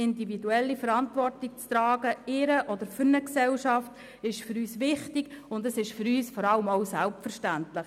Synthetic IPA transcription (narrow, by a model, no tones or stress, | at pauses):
ɪndividuɛlːifəɾɑntʋɔrtɪk̚t͡st̪ɾɑːɡəɪɾəʔɔd̥əɾfʏɾnəksɛlʃɑft | ɪʃføɾyːsʋɪχtɪɡʊndəsɪʃfʏɾyːsfɔɾɑləmoʊsælpfəɾʃtæntlɪχ